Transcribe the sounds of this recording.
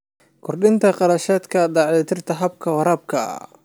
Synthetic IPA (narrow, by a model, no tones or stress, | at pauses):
kʰʊrɗɪnt̪ʰɐqɑɾɐʃaːd̪kʰɐd̪ɑːʕd̪ɪt̪ʰɪrt̪ʰɐɦɐb̚kʰɐwɑɾaːb̚kʰɐ̰